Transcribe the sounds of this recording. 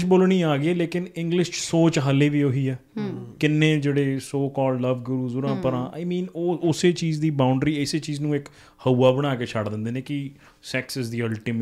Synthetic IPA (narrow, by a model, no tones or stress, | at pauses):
t͡ʃboːlɳ̃ĩːaːɡeɛːleːkɪnɪ̃ŋɡlɪʃt͡ʃsoːt͡ʃɦəleːʋiːoːɦiːɛː | kɪnːẽːd͡ʒeːɽeːsoːkɔːlləʋɡʊɾuːzʊɾãːpəɾãːʔa̰ːɪmĩːnoːʊseːt͡ʃiːzd̪iːbaːʊɳɖɾiːɪseːt͡ʃiːznũːɪk | həuːaːbəɽ̃aːkeːt͡ʃʰəɽd̪ɪ̃nd̪eːnẽːkɪ | sɛːksɪzd̪iːəlʈiːm